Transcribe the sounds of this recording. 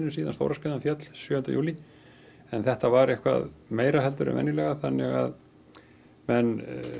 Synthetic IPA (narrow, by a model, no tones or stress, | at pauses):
nʏsiːðanst̪o̰wɾaskɛːðanfjɛt̪l̥sjʏːʏnt̪ajṵːli | ɛnθɛht̪avaɾɛhkva̰ðmeːjɾahɛlt̪ʏɾʏ̰mɛ̰nːɪlɛɣaθanːɛ̰ɣa̰ð | mɛn